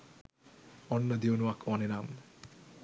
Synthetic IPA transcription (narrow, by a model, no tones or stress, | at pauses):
ɔnːad̪ionuakɔnenam